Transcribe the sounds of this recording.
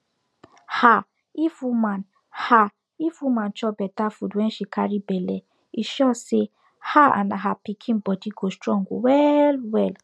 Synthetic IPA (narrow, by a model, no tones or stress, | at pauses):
ha | ifuman | ha | ifumant͡ʃɔbɛtafudɛnʃikaɾibɛlɛ | iʃɔse | haa̰naɦapikʰĩnbɔdiɡostɾɔŋɡṵwɛlwɛl